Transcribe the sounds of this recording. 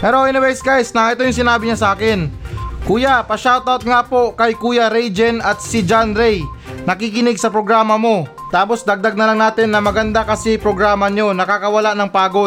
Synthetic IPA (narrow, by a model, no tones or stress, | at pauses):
pɛɾoʔɪnɪbɛjsɡajsnɐŋʔɛt̪ojʊŋsɪnaːbɪɲasɐʔaːkɪnkuːjapɐʃawt̪awt̪̚ŋaːpo̞kɐjkuːjaɾɛjd͡ʒɛnɐt̪̚sɪd͡ʒanɾɛjnɐkikɪnɪɡsɐpɾoɡɾaːmɐmo̞ | t̪aːpo̞sd̪ɐɡ̚d̪aɡ̚nɐlaŋnaːt̪ɪnːɐmɐɡɐnd̪akɐsɪpɾoɡɾaːmɐɲo̞nɐkakɐwɐlaʔnɐŋpaːɡo̞